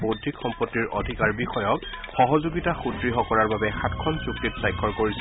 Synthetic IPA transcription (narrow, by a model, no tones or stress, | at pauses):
bodʱikxɔmpɔtːiɹʔɔ̰dʱikaɹbixɔjɔk̚xɔɦɔzuɡitaxutɹiɦɔkɔɹaɹbabɛxatʰkʰɔnsuk̚titsajkʰːɔɹkoɹis